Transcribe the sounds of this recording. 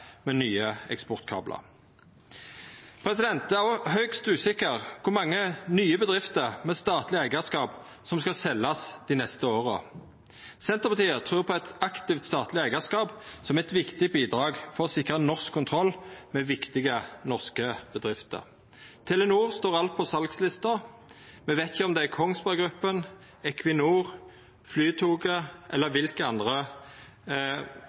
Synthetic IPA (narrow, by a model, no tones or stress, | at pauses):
meːnyːəɛkspbɔʁt̪kʰɑ̰ːblʔɑ̰ | pʰʁɛsɪd̪ɛnt̪æʁɔɦœʏkst̪ʉːsɪkəʁkʰʊmɑŋːənyːəbəd̪ʁɪft̪əʁmɛːst̪ɑːt̪lɪæɪɡəskɑːp | sɔmskɑsɛlːɑsd̪inɛst̪əoːʁə | sɛnt̪əʁpɑt̪ʰiːət̪ʰʁʉːpʰɔɛt̪ɑkt̪ɪft̪st̪ɑːt̪lɪæɪɡəskɑːpsɔmɛɛt̪ʋɪkt̪ɪbiːd̪ʁɑːɡfɔʁɔsɪkːəʁənɔʁskʰːʊnt̪ʰʁɔlːmɛːʋɪkt̪ɪɡənɔʁskəb̥əd̪ʁɪft̪ə̰ʁ | t̪ʰɛlːənuːʁst̪oːʁɑlt̪̚pʰɔsɑlkslɪst̪ɑ | mɛʋeːt̪ɪçəɔmd̪ɛækʰɔŋsbɑʁɡɾʉpːən | ɛkʰʋɪnuːʁ | flyːt̪ʰuːɡəʔɛlːəʋɪlkəɑnd̪ʁə